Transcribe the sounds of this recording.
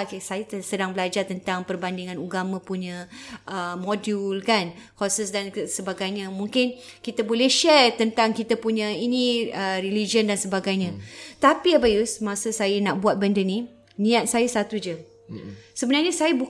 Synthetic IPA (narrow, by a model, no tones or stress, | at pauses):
sajat̪sədaŋbəlad͡ʒart̪ənt̪aŋpərbandiŋãnuɡamãpuɲãʔəmodulkankɔsəsdansəbaɡajɲãmũŋkɪn | kit̪abolɛhʃɛrt̪ənt̪aŋkit̪apuɲãinĩərilid͡ʒiəndansəbaɡajɲãt̪apiabajusmasəsajənaʔbuat̪̚bəndəni | nĩat̪̚sajasat̪ud͡ʒə | səbənarɲəsajəbu